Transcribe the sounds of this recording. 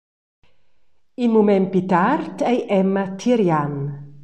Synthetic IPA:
imumɛmpit̪aɾt̪ejʔɛmːat̪ʰiɾjan

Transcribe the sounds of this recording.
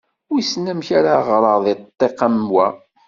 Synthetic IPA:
ʊɾisnːæmçaɾaʁɾˤəðˤet̪ˤːeqamwæ

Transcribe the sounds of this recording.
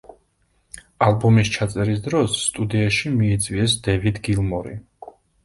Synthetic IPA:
alˠbɔmist͡ʃʰat̪sʼɛɾisd̪ɾɔsːt̪ʼud̪iaʃimiːt̪sʼwiɛsd̪ɛvid̪ɡilˠmɔɾḭ

